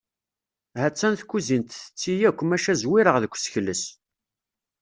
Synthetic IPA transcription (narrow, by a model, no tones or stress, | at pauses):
hæt͡sːænθkːuzint̪θə̥t͡sːijækʷːmæʃæzwiɾəʁðəkʷːsçlːəs